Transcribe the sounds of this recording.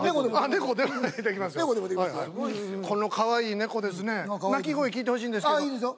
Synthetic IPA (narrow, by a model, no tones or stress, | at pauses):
oeane̞ɡod̪emoed̪ekʲimasɨjeɡod̪emoekajakʰo̞no̞kʰaβaiːne̞ko̞d̪e̞sɨne̞nak̬ʲiɡo̞ikʲiːt̪e̞ho̞ɕ̬iːnd̪esaiːd̪eso